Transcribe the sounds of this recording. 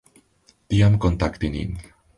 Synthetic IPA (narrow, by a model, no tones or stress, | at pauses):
t̪iamkɔ̃nt̪akt̪iŋḭŋ